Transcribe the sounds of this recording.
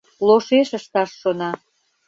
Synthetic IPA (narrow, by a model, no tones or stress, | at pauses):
loʃeʃəʃt̪ɑʃːonɑ